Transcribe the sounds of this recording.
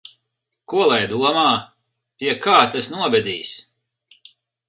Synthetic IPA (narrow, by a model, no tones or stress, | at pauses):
kuɔlˠajd̪uɔmaː | pʲiɛkaːt̪asnuɔbʲɛd̪ʲiːs